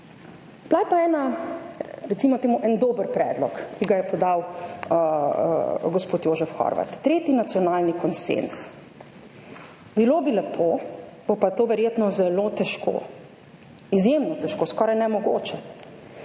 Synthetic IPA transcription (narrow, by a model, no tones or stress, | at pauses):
b̥lajpaɛːna | ɾɛt̪simɔt̪eːmuʔɛnd̪oːbəɾpɾɛːd̪lɔkːiɡajɛpɔd̪aw | ɡɔspoːt̪joːʒɛfxɔ̰ɾʋa̰t̪ːɾeːt̪inat̪sjɔnaːlnikɔnsḛns | biloːbilɛpʰobopat̪oːʋɛɾjeːt̪nɔzɛlot̪ɛʃko̰ː | izjemnɔt̪ɛʃkoːskɔːɾajnɛmɔɡoːt͡ʃɛ